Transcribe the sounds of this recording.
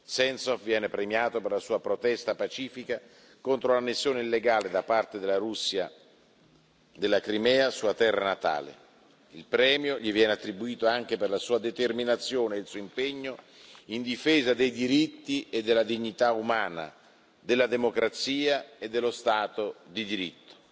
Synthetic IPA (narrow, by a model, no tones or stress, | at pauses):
sɛnsɔfvjɛːnepɾemjaːt̪operlasuːapɾot̪ɛst̪apat͡ʃiːfika | kont̪ɾolanːesːjoːneilːeɡaːled̪apart̪ed̪elaɾusːja | d̪elːakɾimɛːasuat̪ɛrːanat̪a̰ːlḛ | ilpɾɛːmjoʎivjɛːneat̪ːɾibuiːt̪oaŋk̟eperlasuːad̪et̪erminat̪sːjoːneilsuːimpeɲːo | ind̪ifeːzad̪ejd̪iɾit̪ːied̪ːelːad̪iɲːit̪aumaːna̰ | d̪elːad̪emokɾat̪siːaed̪ːelːost̪aːt̪od̪id̪iɾit̪ːo̥